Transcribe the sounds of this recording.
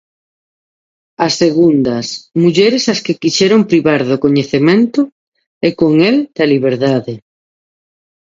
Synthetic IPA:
ɐseɣund̪ɐsmuʎɛɾesaskekiʃɛɾoŋpɾiβaɾðʊkoɲeθemẽnt̪ʊ | ɪkoŋeld̪̥ɐliβ̞eɾðaðe

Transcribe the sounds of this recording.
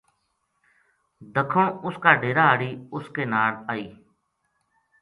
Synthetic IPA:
d̪əkʰõːʊskaːɖeːɾaːɦəːɽiːʊskeːnaːɽaːiː

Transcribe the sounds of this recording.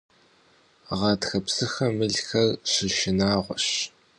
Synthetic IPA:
ʁɑːtxɐpsɨxɐmɨɮxɐrɕɪʃɪnaːʁʷɔɕ

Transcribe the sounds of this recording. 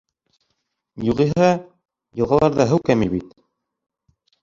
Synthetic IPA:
juʁiɦɑ | jɤ̆lˠʁɑlˠɑɾðɑɦɘwkæmiβit̪

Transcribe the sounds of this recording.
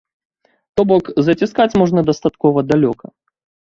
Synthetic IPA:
t̪ɔbɔkzɐt͡sʲiskat͡sʲmɔʐnɐd̪ɐst̪at̪kɔvɐd̪alʲɔkɐ

